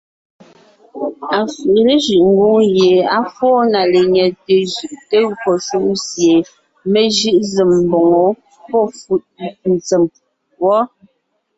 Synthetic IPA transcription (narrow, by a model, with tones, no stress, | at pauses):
a˨fi˨ʔle˦ʒʉ˨ʔŋ̩˦ɡu˦ŋje˨a˦fɔː˦na˨le˨ɲɛ˨te˨ʒʉ˨ʔte˦kɔ˨su˦m˦sje˨ | me˦ʒɯ˦ʔze˨mm˨bɔ˨ŋɔ˨˦ | pɔ˦˨fu˨ʔ̚n̩˨t͡se˨m | wɔ˦